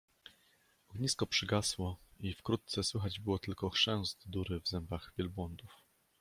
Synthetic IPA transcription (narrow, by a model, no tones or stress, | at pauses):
ɔɡɲiskɔpʂɘɡaswɔifkɾut̪̚t̪sɛswɘxad͡ʑbɘwɔt̪ɘlkɔxʂɛ̃w̃zd̪d̪uɾɘvzɛmbaɣvʲjɛlbwɔnd̪uf